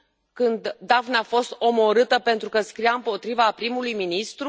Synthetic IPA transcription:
kɨnd̪ːavnafo̞st̪o̞mo̞ɾɨt̪əpe̞nt̪ɾukəskɾijaɨmpo̞t̪ɾivapɾimulujminist̪ɾu

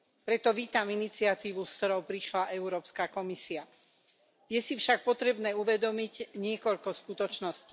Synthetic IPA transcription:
pɾɛt̪ɔʋiːt̪aminit͡siat̪iːʋuskt̪ɔɾɔʊpɾiʃlaʔɛʊɾɔːpskakɔmisia | jɛsifʃak̚pɔt̪ɾɛbnɛːuʋɛd̪ɔmiɟɲɪɛkɔʎkɔskut̪ɔt͡ʃnɔsci̥

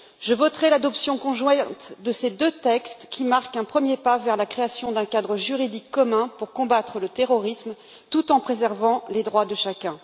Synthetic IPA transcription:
ʒəvɔt̪χɛlad̪ɔpsjɔ̃kɔ̃ʒwɛ̃t̪d̪əsed̪øt̪ɛkst̪kʲimaʁkɛ̃pχəmjepavɛʁlakχeasjɔ̃d̪ɛ̃kad̪ʁəʒyʁid̪ikːɔmɛ̃puʁkɔ̃bat̪χələt̪eʁɔʁism | t̪ut̪ɑ̃pχezɛʁvɑ̃led̪ʁwad̪əʃakʲɛ̃

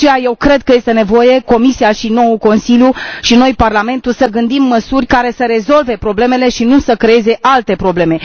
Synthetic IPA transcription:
ejaje̞wkɾe̞d̪̚kəje̞st̪e̞ne̞vo̞je̞ko̞misiaʃino̞uko̞nsiljuʃino̞jparlame̞nt̪usəɡɨnd̪imːəsurʲkaɾe̞səɾe̞zo̞lve̞pɾo̞ble̞me̞le̞ʃinusəkɾe̞e̞ze̞ʔalt̪e̞pɾo̞ble̞me̞

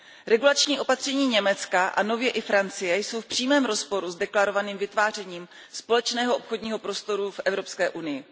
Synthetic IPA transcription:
ɾɛɡulat͡ʃɲiːo̞pat̪r̝̥ɛɲiːɲɛmɛt͡skaʔano̞vjɛʔɪfɾant͡sɪjɛjso̞wfpr̝̥iːmɛːmɾo̞spo̞ɾuzdɛklaɾo̞vaniːmvɪt̪vaːr̝ɛɲiːm | spo̞lɛt͡ʃnɛːɦoʔopxo̞dɲiːɦo̞pɾo̞st̪o̞ɾufʔɛvɾo̞pskɛːʔunɪjɪ

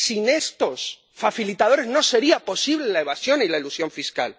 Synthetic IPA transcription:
sine̞st̪o̞s | faθilit̪að̞o̞ɾe̞zno̞se̞ɾiapo̞siβ̞le̞lae̞βasjo̞nilaeilusjo̞ɱfiska̰l

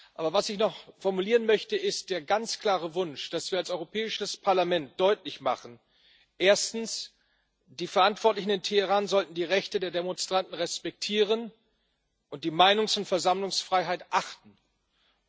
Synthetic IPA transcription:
ʔaːbɐvasɪçnɔχfɔɐmuliːʁənmœçtəɪst̚d̥eːɐɡant͡skl̥aːʁəvʊnʃd̥asv̥iːɐalsɔʏʁopʰɛːɪʃəspʰaɐlamɛnt̚d̥ɔʏtlɪçma̰χn̩ | ʔeːɐstn̩s | d̥iːfɛɐʔantv̥ɔɐtlɪçn̩ɪntʰehəʁaːnzɔltn̩diːʁɛçtədeːɐdemɔnstʁ̥antn̩ʁɛspɛk̚tʰiːʁ̞ən | ʔʊnt̚d̥iːmaɪnʊŋsʊntfɛɐzamlʊŋsfʁ̥aɪɦaɪtʔaχtn̩

